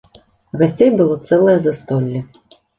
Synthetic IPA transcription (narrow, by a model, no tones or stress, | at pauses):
ɣasʲt͡sʲejbɨlˠɔt̪sɛlˠɐjɛzast̪ɔlʲːi